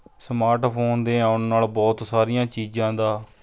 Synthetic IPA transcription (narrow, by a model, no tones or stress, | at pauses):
smaːɾʈpʰoːnd̪eːãːʊnːaːlbɔːt̪saːɾijãːt͡ʃiːd͡ʒãːd̪aː